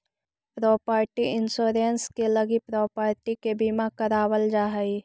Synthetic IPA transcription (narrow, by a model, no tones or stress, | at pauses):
pɾɔːpəːɾʈiɪnsoːɾenskelɐɡipɾɔːpəːɾʈikebimakəɾaːwəld͡ʒaːɦəi